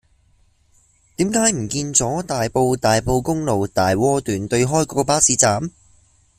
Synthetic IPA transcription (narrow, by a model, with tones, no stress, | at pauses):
t̪iː˨˥mkaː˨˥jm̩˨˩kiː˧nt͡sɔː˨˥t̪aː˨jpo˧wt̪aː˨jpo˧wkʊ˥ŋlo˨˩wt̪aː˨jwɔː˥t̪yː˨nt̪ɵ˧ɥɦɔː˥jkɔː˨˧˥kɔ˧paː˥siː˨˧˥t͡saː˨˥m